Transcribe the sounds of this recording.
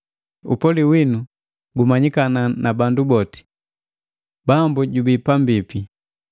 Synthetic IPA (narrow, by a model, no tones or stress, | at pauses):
ṵpɔliwinu | ɡumaɲikananabandubɔti̥ | bambuɟubipambipi